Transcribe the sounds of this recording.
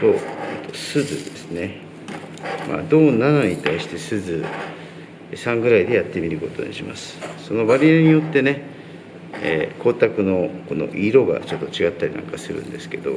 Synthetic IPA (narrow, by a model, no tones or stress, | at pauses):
soːet̪osɨzɨd̪e̞sɨne̞ | ma̰d̪o̞ːnanoɲ̟it̪aiɕi̥t̪e̞sɨzɨ | sãŋɡɯ̟ɾaid̪e̞jat̪ːe̞mʲiɾɯ̟ko̞t̪o̞̰ɲ̟ḭɕima̰sɨ̥so̞no̞baɾʲiaɲ̟ijo̞t̪ːe̞ne̞ | ḛːkʰo̞ːt̪akɯ̟no̞ko̞no̞̰ʔiɾo̞ɡa̰t͡ɕo̞t̪ːo̞t͡ɕiɡat̪ːaɾʲinã̰ŋkasɨɾɯ̟̰̃nd̪e̞sɨ̥ke̞d̪o̞̰